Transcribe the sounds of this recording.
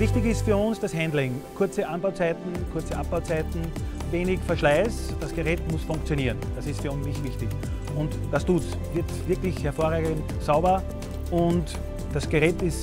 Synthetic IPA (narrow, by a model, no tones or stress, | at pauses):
vɪçtɪçɪstfyːɐʊnsd̥ashɛ̃ndlɪŋkʰʊɐt͡səʔanbaʊt͡sæɪtn̩kʰʊɐt͡səʔap̚b̥aʊt͡sæɪtn̩veːnɪçfɛɐʃlæɪsd̥asɡ̥əʁɛːtmʊsfʊ̃ŋkt͡sjoniːʁənd̥asɪstfyɐʊ̃nsnɪçtv̥ɪçtɪç | ʊnt | d̥astuːts | vɪɐtvɪɐklɪçhɛɐfoːɐʁaːɡənt | saʊbɐ | ʔʊnt | d̥asɡ̥əʁɛːtɪs